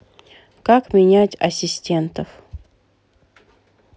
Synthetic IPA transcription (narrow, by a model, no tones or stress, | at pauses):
kakmʲɪnʲætʲɐsʲɪsʲtʲe̞nt̪əf